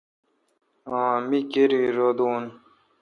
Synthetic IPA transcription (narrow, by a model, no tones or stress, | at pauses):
ãːmikeɾiɾod̪uːn